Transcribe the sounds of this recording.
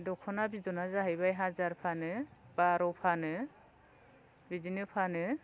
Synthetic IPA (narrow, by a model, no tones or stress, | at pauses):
dɔkʰɔnabizɔnazaɦɯjbajɦazaɾpʰanɯb̥aɾɔwpʰanɯ | bidinɯpʰanɯ